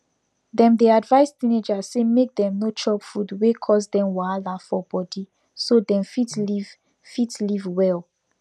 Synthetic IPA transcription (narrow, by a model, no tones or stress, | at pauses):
dɛ̃mdeadvaɪstĩned͡ʒasemek̚dɛ̃mnot͡ʃɔpfudwekʰɔs̬dɛ̃mwalafɔbɔdi | sodɛ̃mfitliv | fitlivwɛl